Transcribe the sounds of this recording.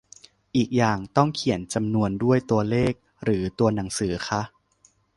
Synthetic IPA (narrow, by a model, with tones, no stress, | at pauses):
ʔiː˨˩k̚jaː˨˩ŋt̪ɔ˥˩ŋkʰi˨˩˦ənt͡ɕa˧mnu˧əndu˥˩əjt̪u˧ɐleː˥˩k̚ | ɾɯː˩˦t̪u˧ɐna˩˦ŋsɯː˩˦xʰa˦˥ʔ